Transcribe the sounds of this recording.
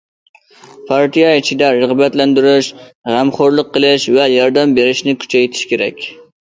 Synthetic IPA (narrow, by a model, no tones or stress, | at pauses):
pʰɑɾt̪ijɑit͡ʃʰid̪ɛɾəʁbɛt̪lɛnd̪yɾɪʃʁæmχoɾlˠəqːəlˠɪʃvɛjɑɾd̪ɛmbeɾɪʃnɪkʲʰy̥t͡ʃʰɛjt̪ʰɪ̥ʃkʲeɾɛ̰kʲ